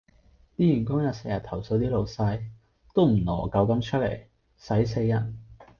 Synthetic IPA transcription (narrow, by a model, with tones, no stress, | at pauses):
t̪iː˥jyː˨˩nkʊ˥ŋjɐ˨˧t̚se˧jɐ˨t̪ʰɐ˨˩wso˧wt̪iː˥lo˨˧wsɐ˧j | t̪o˥wm̩˨˩lɔ̰ː˨˩kɐ˧wkɐ˥mt͡ʃʰɵ˥t̚lḛ˨˩j | sɐ˨˥js̬e˧jːɐ˨˩t̚